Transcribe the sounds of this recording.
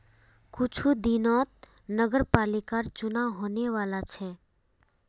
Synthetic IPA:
kut͡ʃʰud̪inɔt̪̚ | nəɡəɾpalikaɾt͡ʃʊnawɦoneʋalat͡ʃʰe

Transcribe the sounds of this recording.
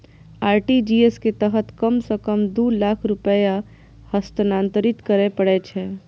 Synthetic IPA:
aːɾʈid͡ʒiesket̪əɦət̪kəmsəkəmd̪uːlaːkʰɾʊpəja | həst̪ənãːnt̪əɾɪt̪kəɾepəɽet͡ʃʰɛː

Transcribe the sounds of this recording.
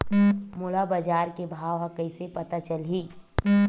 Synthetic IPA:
mʊlabəd͡ʒaːɾkebʱaːʋɦakəɪsepət̪at͡ʃəlɦiː

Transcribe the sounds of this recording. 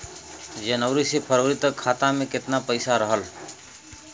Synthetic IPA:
d͡ʒənəʋɾisepʰəɾoːɾɪt̪kʰːaːt̪ãmẽkɪt̪napəɪsaɾəɦəl

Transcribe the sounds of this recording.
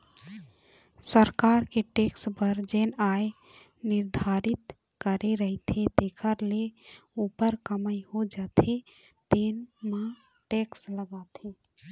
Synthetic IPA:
səɾkaɾkeʈekspəɾd͡ʒenaj | nɪɾd̪ʱaɾɪt̪ | kəɾeɾəɦit̪ʰet̪ekʰəɾleupəɾkəməjhod͡ʒat̪ʰe | t̪enmã | ʈeksləɡat̪ʰi

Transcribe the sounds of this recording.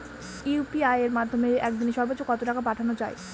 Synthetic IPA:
upiajeɾmad̪ʱːomeɛkd̪ineʃɔɾbot̪ːɕokɔt̪oʈakʰapaʈʰanot͡ɕae

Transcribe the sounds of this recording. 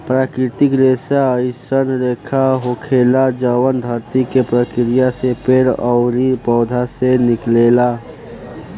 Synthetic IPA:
pɾaːkɾɪt̪ɪkɾesaəjsənɾekʰaɦokʰeːlad͡ʒəwənd̪ʱəɾt̪ikepɾəkɾɪjasepeːɾəʊɾipɔːd̪ʱasenɪklela

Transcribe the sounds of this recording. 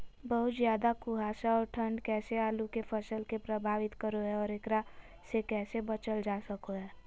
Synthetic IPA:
bəɦʊt̪zjaːd̪akʊɦaːsaɔːɾʈʰə̃ɳɖkɛːseaːlukepʰəsəlkepɾəbʱaːʋɪt̪kəɾoɦɛɔːɾɪkɾa | sekɛːsebət͡ʃəld͡ʒaːsəkoɦɛː

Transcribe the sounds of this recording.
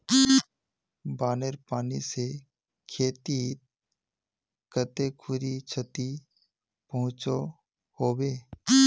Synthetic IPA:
baːneɾpaːnise | kʰeːt̪it̪ | kət̪ekʰʊɾit͡ʃʰət̪i | pəɦʊ̃t͡ʃo | hoːweː

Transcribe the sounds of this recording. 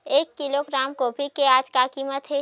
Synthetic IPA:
eːkːiloɡɾaːmkoːpikeaːd͡ʒkakiːmət̪ɦeː

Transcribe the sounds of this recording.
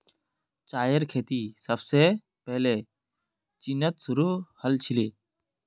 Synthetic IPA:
t͡ʃaːjəɾkʰeːt̪iːsəbseː | pɛɦleː | t͡ʃinət̪sʊɾuːhəlt͡ʃʰɪleː

